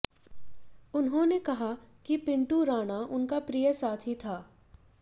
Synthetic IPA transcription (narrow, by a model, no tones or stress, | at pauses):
ʊnɦõnekɐɦakipɪ̃ɳʈuɾaːɽ̃aʔʊnkapɾijəsaːt̪ʰɦit̪ʰaː